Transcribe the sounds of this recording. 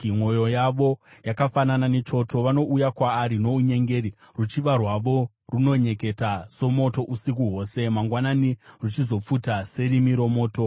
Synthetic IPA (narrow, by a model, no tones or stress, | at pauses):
iŋwo̞jo̞jaʋo̞jakafanananet͡ʃo̞to̞ʋano̞ʔujakwaːɾino̞uɲe̞ŋɡe̞ɾi | rut͡ʃiʋarwaʋo̞ | runo̞ɲe̞ke̞taso̞mo̞to̞ʔusik̬uɦo̞ːse̞maŋɡwananirut͡ʃizo̞p͡futase̞ɾimiɾo̞mo̞ːto̞